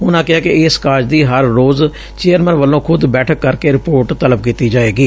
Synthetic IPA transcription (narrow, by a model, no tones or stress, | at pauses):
ʊnãːkɪaːkɪɪskaːɾd͡ʒd̪iːɦəɾːoːz | t͡ʃeːəɾmɛ̃nʋəlːõːkʰʊd̪bɛːʈʰəkːəɾkeːɾɪpoːɾʈt̪ələb̚kiːt̪iːd͡ʒaːeːɡiː